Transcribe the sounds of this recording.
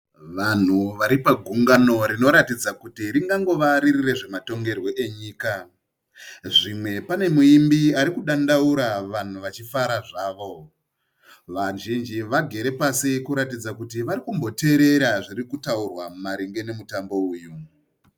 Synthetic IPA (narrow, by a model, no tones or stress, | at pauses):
ʋan̤uʋaɾipaɡʱuŋɡano̞ɾino̞ɾatid͡zakutiɾiŋɡaŋɡo̞ʋaɾirire̞ʐe̞mato̞ŋɡe̞rwo̞ʔe̞ɲiːka | ʐimwe̞pane̞muimbiaɾikuɗandauɾaʋan̤uʋat͡ʃifaɾaʐaːʋo̞ | ʋaʒind͡ʒiʋaɡʱe̞ɾe̞pasikuɾatid͡zakutiʋaɾikumbo̞te̞ɾe̞ɾaʐirikutaurwamumaɾiŋɡe̞nemutambo̞uːju